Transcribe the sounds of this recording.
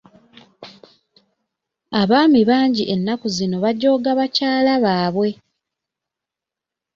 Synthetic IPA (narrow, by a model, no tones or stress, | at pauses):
aβaːmiβaːɲɟiʔe̞nːakuzino̞βaɟːo̞ːɡaβacaːlaβaːβwe̞